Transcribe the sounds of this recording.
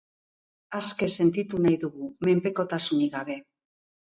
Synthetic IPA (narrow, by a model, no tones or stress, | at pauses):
aske̞se̞nt̪it̪unajðuɣume̞mpe̞ko̞t̪asuniɣaβe̞